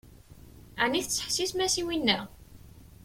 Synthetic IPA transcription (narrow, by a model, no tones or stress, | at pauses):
aʕniθət͡sːə̥ħsismæsiwinːæ